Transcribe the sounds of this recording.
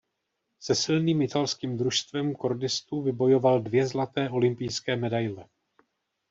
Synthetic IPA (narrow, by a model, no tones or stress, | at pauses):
sɛsɪlniːmɪt̪alskiːmd̪ɾuʃst̪vɛmko̞ɾdɪst̪uːvɪbo̞jo̞valdvjɛzlat̪ɛːʔo̞lɪmpɪjskɛːmɛdajlɛ